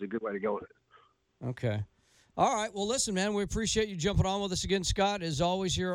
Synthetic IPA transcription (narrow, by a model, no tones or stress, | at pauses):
zɨɡʊd̚weɪɾɨɡoʊəðɨt̚ | oʊkʰeɪ | ʔɔlˠɹaɪt̚wɛlˠɪsɨ̃nmæ̃nwiɨpʰɹ̥iʃieɪt͡ʃɨd͡ʒʌ̃mpəɾn̩wəðɨsɨɡɛ̃nskɑɾɨzɔlˠwiz̥hə˞